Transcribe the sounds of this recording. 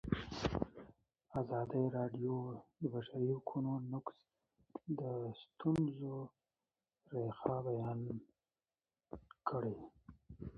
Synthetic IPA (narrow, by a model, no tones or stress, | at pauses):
azɑd̪ajɾɑɖjod̪əbaʃaɾihʊkʰunonʊks | d̪əst̪unzo | ɾexɑbajɑn | kʰəɽe